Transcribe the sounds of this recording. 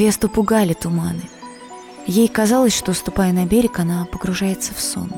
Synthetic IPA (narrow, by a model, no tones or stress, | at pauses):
vʲest̪ʊpʊɡalʲɪt̪ʊmanɨ | jejkɐzalˠəsʲʂt̪ost̪ʊpajɪnɐbʲeɾʲɪkɐnapəɡɾʊʐajɪt̪səfso̰nʊ